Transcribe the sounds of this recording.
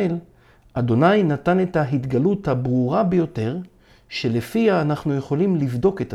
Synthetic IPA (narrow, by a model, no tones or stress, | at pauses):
el | ad̪o̞najnatane̞thaɦit̪ɡaluthabʁuʁabejo̞te̞ʁ | ʃe̞lefiaːnaχnuje̞χo̞limlivdo̞keta